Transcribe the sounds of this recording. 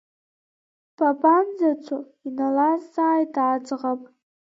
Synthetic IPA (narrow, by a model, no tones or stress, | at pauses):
pʰapʰʼanzat͡ʃʷʰo | inalazaːjtad͡ʒʼʁapʼ